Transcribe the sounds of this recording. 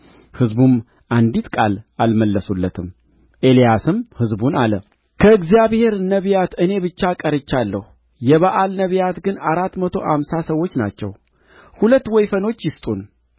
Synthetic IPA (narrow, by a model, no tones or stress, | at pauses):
hɨzbum | ʔand̪it̪kʼa̰lalməlːəsulːət̪ʰɨm | ʔe̞lijasɨmhɨzbunalə | kʰəɨɡzijaβhe̞ɾnəβijat̪ɨne̞bɨt͡ʃːakʼəɾɨt͡ʃːalːəhu | jɛβaʔalnəβjat̪ɡɨnaɾat̪ːmət̪ʰo̞ha̰msasəwːo̞t͡ʃːna̰t͡ʃːɛ̰w | hulət̪ːwɔjfəno̞t͡ʃːjɪst̪ʼun